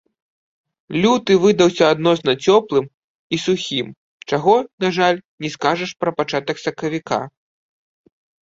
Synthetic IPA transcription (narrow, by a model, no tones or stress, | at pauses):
lʲut̪ɨvɨd̪ɐwsʲɐːd̪nɔsnɐt͡sʲɔplˠɨm | isuxʲim | t͡ʂaɣɔnaʐalʲnʲɛskaʐɐʂpɾɐpat͡ʂat̪ɐksɐkɐvʲika̰